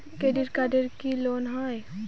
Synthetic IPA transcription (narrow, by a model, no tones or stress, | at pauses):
keɖiʈkaɖəɾkiloːnɦaːj